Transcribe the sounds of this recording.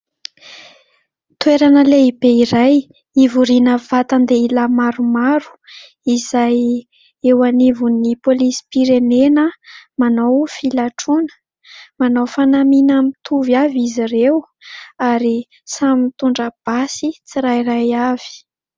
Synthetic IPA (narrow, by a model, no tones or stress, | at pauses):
t̪weɾanəleibeiɾaj | ivuɾinəvat̪and̪eilamaɾumaɾu̥ | izaj | ewanivunipolisi̥piɾenenəmanawfilaʈ͡ʂunə̥ | manowfanaminamit̪ʰuvjavizirew | aɾi | samit̪uɳɖ͡ʐəb̥asit͡siɾajrajav̥i̥